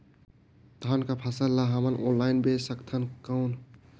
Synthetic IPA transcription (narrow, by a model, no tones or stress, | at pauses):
d̪̥ʱankapʰasəlːaɦamənʔonlajnbesəkt̪ʰənkəʊn